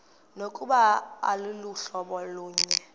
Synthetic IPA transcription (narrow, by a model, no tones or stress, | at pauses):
nokʼuɓaa̰luluɬɔɓɔluːɲɛ